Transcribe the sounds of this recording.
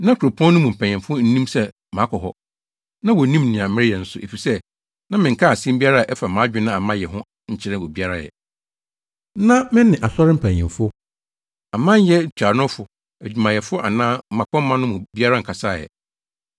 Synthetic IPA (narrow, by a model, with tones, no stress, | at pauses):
nã˦kʰu˨ɾo˨pʰɔ̃˦nː˦ʊ̃˦mʊ̃˨m̩˨pʰæ˨ɲ̃˨ɛ̃˨fʊ˦n̩˦nĩ˦msɛ˦ | mã˨˦kʰɔ˨ɦɔ̰˦ | nã˦wɔ˨nĩ˦mnĩ˨ã˨m̩˦mɪ̃˦ɪ˦jɛ˨n̩˦sʊ˨ʔe˨fi˨sɛ˦ | nã˦mɪ̃˨ŋ̩˨kʰa˦˨sĩ˦m˦bi˦a˦ɾa˦a˨ʔɛ˦fa˨mãː˨˦d͡ʑᶣɪ˦nã˦a˨mã˦jɛ˨ɦʊ̃˦ | ɲ̩˦t͡ɕʰɪ˦ɾɪ̃˦wɔ˨bi˦a˦ɾa˦jɛ̰˨ | nã˦mɪ̃˦nɪ̃˨ʔa˨sɔ˦ɾɪ̃˦m̩˨pʰæ̃˨ɲ˨ɛ̰̃˨fʊ˦ | a˨mã˦ɲ˦jɛ˦˨t͡ɕʰᶣa˨nʊ̃˦fʊ˨ | æ˨d͡ʑᶣu˨mã˨jɛ˨fʊ˦ʔa˨nãː˦m̩˦mã˨kɔ̃˦m˦mã˦nʊ̃˦mʊ̃˨bi˦a˦ɾa˦ŋ̩˨kʰa˨sa˦˨jɛ̰˨